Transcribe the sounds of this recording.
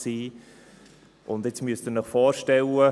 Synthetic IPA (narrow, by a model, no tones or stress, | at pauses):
siː | ʔʊnd̪ɛt͡smyəst̪ənəχfɔːɾʃtɛlə